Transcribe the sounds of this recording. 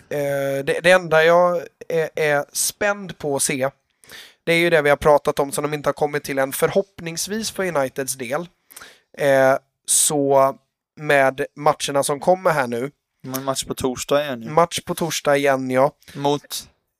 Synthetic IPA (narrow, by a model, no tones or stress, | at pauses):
d̪ɛd̪ɛɛnd̪ajɑː | æɾspɛnd̪pʰɔːseː | d̪̥ɛæːɾjɵd̪ɛvɪhaɾpʰɾɑːt̪at̪ɔmsɔmd̪ɔmɪnt̪əhaɾkʰɔmːɪt̪ʰːɪlɛnfœɾhɔpnɪŋsviːspʰɔjʊnajt̪ɪd̪sd̪eːl | sɔ | mɛːd̪mat̪ʂəɳasɔmkʰɔmːəɾɦæːɳʉ̟ː | maʂpʰɔt̪ʰuːʂɑːjɛnmat̪ʂpʰɔt̪ʰuːʂɖɑːɡɪjɛnːjɑːmuːt̪